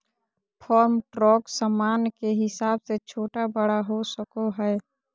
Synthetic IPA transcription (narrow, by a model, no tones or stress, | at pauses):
pʰɔːɾmʈɾɔːksamaːnkeɦɪsaːbset͡ʃʰoːʈabəɽaɦosəkoɦɛː